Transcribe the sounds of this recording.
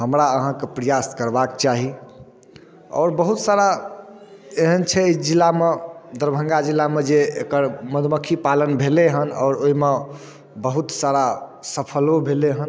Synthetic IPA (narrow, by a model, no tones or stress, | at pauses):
ɦəmɾaəɦãkepɾəjaskəɾbakt͡ʃaɦi | ɔ̰ːɾbəɦut̪saɾa | eɦənt͡ʃʰɛid͡ʒilːamed̪əɾbʱə̃ŋɡad͡ʒilːamed͡ʒeekəɾməd̪ʱməkʰipalənbʱeleɦənɔ̰ːɾoɦime | bəɦut̪saɾasəpʰəlobʱeleɦən